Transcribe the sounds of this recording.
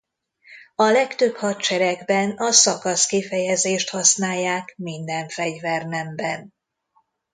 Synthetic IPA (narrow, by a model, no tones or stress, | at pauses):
ɒlɛkt̪øphɒt̪t͡ʃɛɾɛɡbɛnɒsɒkɒskifɛjɛzeːʃt̪hɒsnaːjːaːkmind̪ɛɱfɛɟvɛrnɛmbɛn